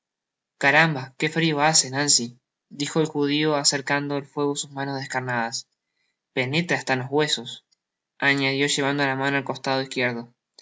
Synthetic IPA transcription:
kaɾambake̞fɾio̞asenansi | d̪ixo̞elxuð̞io̞aseɾkand̪o̞elfwe̞ɣosusmanozðe̞hkaɾnaðas | pe̞ne̞t̪ɾeast̪anozɣwe̞so̞s | aɲaðjo̞ʒe̞βand̪oalamanoalko̞st̪að̞o̞ihkje̞ɾðo̞

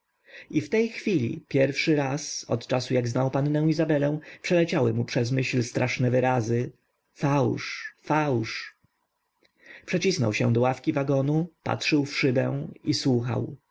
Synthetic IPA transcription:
ift̪ɛjxfʲilʲḭpʲjɛɾfʂɘɾasɔ̰t̪t͡ʂasujaɡznawpanːɛ̃w̃izabɛlɛw̃pʂɛlɛt͡ɕawɘmupʂɛzmɘɕlst̪ɾʔaʂnɛvɘɾazɘ | fawʂfawʂ | pʂɛt͡ɕisnɔ̰wɕɛ̰̃d̪ɔwafkʲivaɡɔnupa̰tʂɘwfʂɘbɛ̰w̃iswuxa̰w

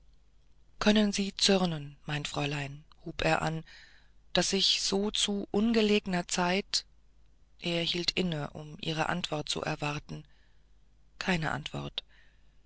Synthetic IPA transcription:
kʰœnənziːt͡sʏʁnənmaɪntfʁ̥ɔʏlaɪnhuːpʔeːɐʔa̰n | d̥asɪçz̥oːt͡suʔʊnɡəleːɡənɐt͡saɪt | ʔeːɐhiːltʰʔɪnəʔʊ̰mʔḭːʁ̞ə̰ʔa̰ntv̥ɔɐt̚t͡sṵʔɛ̰ɐvaɐtn̩ | kʰaɪnəʔa̰ntv̥ɔ̰ɐt

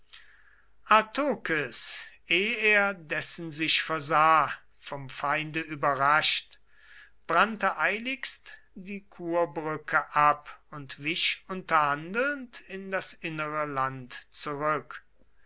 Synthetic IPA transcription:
ʔaɐtʰoːkəsʔeːeːɐdɛsn̩zɪʃfɛɐzaː | fɔmfaɪ̃ndəʔyːbɐʁaʃt | b̥ʁantəʔaɪlɪkst | d̥iːkʰuːɐbʁʏkʰəʔapʊntv̥ɪʃʊntɐhandl̩ntɪndasʔɪnəʁəlantt͡suʁʏk

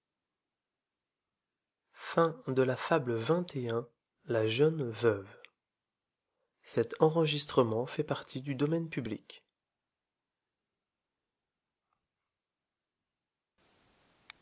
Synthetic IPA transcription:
fɛ̃d̪əlafabləvɛ̃t̪ʰeɛ̃ | laʒœnvœv | sɛt̪ɑ̃ʁəʒist̪χəmɑ̃fɛpaʁt̪ʰid̪yd̪ɔmɛnpyblḭk

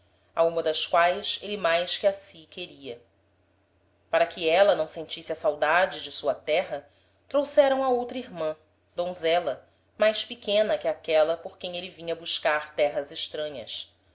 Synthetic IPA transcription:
aũmɐd̪ɐʃkwajselɪmajʃkɪasikeɾiɐ | paɾɐkʰɪɛlɐnɐ̃w̃sẽnt͡ʃisɪɐsawd̪ad͡ʒɪd͡ʒɪsuɐt̪ɛɦɐ | t̪ɾowsɛɾɐ̃w̃ɐowt̪ɾɐiɦmɐ̃ | d̪õzɛlɐ | majʃpɪkʰẽnɐkɪakɛlɐpoɾkẽj̃elɪvĩɲɐbuʃkaɾt̪ɛɦɐzɪʃt̪ɾɐ̃ɲɐ̰s

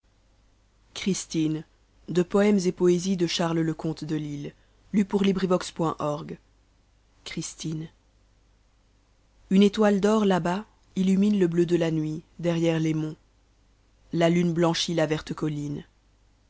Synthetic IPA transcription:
kχist̪in | d̪əpɔɛmzepɔezid̪əʃaʁlləkɔ̃t̪d̪əlilː | ypuʁlibʁivɔkspwɛ̃ʔɔʁɡ | kχist̪in | ynet̪wald̪ɔʁlaba | ilyminləblød̪əlanɥid̪ɛʁjɛʁlemɔ̃ | lalynblɑ̃ʃilavɛʁt̪əkɔlin

